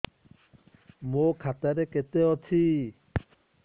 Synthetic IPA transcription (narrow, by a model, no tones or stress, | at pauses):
mokʰat̪aɾɛket̪eɔtʰi